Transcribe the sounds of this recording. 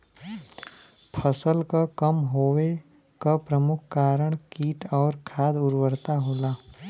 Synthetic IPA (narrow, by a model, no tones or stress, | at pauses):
pʰəsəlkakəmɦoːwe | kapɾəmʊkʰkaːɾəɽ̃kiːʈɔːɾkʰaːd̪ʊɾwəɾt̪aɦoːlaː